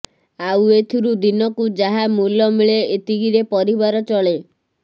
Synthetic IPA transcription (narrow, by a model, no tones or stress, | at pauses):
awet̪ʰiɾud̪inɔkud͡ʒaɦamulɔmiɭeet̪iɡiɾepɔɾibaɾɔt͡ʃɔɭe